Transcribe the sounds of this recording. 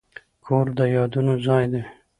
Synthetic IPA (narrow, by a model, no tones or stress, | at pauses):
kʰoɾd̪əjɑd̪unozɑjd̪e